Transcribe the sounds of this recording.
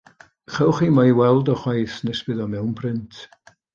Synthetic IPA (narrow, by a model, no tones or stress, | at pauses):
χɛwχimaiwɛlˠdɔχwajθnɛsb̥ɨðɔmɛwnpʰrɪntʰ